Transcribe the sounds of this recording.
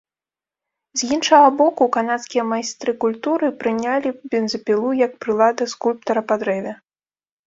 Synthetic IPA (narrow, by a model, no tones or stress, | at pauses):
zʲjinʂɐɣɐbɔkukanat̪skʲijɐmajst̪ɾɨkulʲt̪uɾɨpɾɨnʲalʲibʲɛnzʲɐpʲilˠujɐk̚pɾɨlˠad̪ɐskulʲp̚t̪ɐɾɐpad̪ɾɛvʲɛ